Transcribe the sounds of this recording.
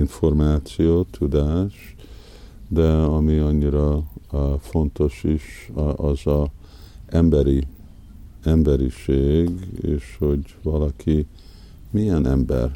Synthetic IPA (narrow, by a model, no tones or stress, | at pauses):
iɱfo̞rmaːt̪sijoːt̪ʰud̪aːʃ | d̪ɛɒmiɒɲːiɾɒ | fo̞nt̪o̞ʃiʃɒzɒ | ɛmbɛɾi | ɛmbɛɾiʃeːɡḛːʃho̞ɟvɒlɒkʰi | mijɛnɛ̰mbɛ̰r